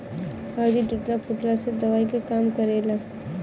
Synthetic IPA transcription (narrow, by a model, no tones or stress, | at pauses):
aːd̪iɖɪʈnapʰʊʈlased̪ɐʋaːikekaːmkɐɾeːlaː